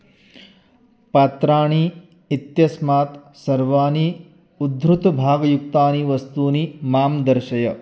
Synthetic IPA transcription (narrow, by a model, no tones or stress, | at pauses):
paːt̪ɾaːɳ̃iː | t̪jɐsmaːt̪ | sɐɾʋaːni | ud̪bɾut̪bʱaːɡɐjuk̚t̪aːniʋɐst̪uːnimaːmd̪ɐɾʃɐjɐ